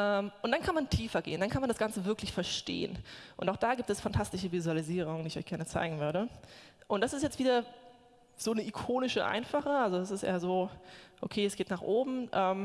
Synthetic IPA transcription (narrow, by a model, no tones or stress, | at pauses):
ʔɛːmʔʊntd̥ankʰanmantʰiːfɐɡḛːəndankʰanmandasɡ̥ant͡səvɪɐklɪçfɛɐʃtḛːə̰nʔʊ̰ntaʊxd̥aːɡiːp̚tɛsfantʰastɪʃəvizualiziːʁ̞ʊŋdiːɪçʔɔʏçɡ̥ɛɐnət͡sa̰ɪɡŋ̩vʏɐɾəʔʊntd̥asɪstjɛt͡stv̥iːdɐ | z̥oːnəʔikʰoːnɪʃəʔa̰ɪnfaχəʔalzodas̬ɪstʔḛːɐzoːʔokʰeːɛsɡ̥eːtnaːχʔoːbm̩ʔɛːm